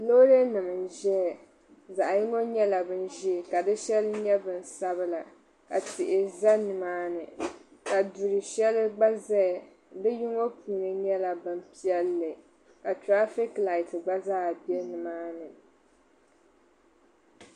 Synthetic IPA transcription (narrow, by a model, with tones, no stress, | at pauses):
lo˦ɾe˦nɨ˨mɨ˨n˨ʒɛ˦˨ | za˨ʔji˦ŋo˦ɲɛ˦la˨bɨ˦n˦ʒi˦˨ka˨dɨ˦ʃɛ˦lɨ˦ɲɛ˦bɨ˨n˨sa˦βɨ˦la˨ | ka̰˨tɪ˨ʔɪ˨za˦nɨ˨maː˦nɨ˨ka˨du˨ɾɨ˨ʃɛ˦lɨ˦ɡ͡ba˦zɛ˦˨ | dɨ˦ji˦ŋo˦pʰuː˨nɨ˨ɲɛ˦la˨bɨ˨m˦pi˦ɛ˦lːɨ˨ | ka˨tɾa˦fi˦kla˨ɪ˨tɨ˨ɡ͡ba˦zaː˦˨bi˦ɛ˦nɨ˨maː˦nɨ˨